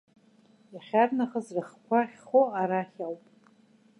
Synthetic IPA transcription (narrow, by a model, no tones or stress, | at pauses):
jaχʲarnaχəzrɨχkʷʰaχʲχoaɾaχʲalpʼ